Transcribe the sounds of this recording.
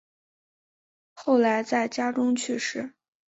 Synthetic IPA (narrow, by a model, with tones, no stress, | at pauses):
xo˥˩ʊla˧˥ɪt͡sa˥˩ɪt͡ɕja˥ʈ͡ʂʊ˥ŋt͡ɕʰy˥˧ʂɻ̩˥˩